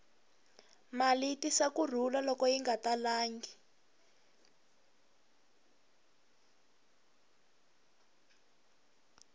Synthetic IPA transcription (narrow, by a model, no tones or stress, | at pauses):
malitisakur̤ulalɔkɔjiŋɡatalaːŋɡi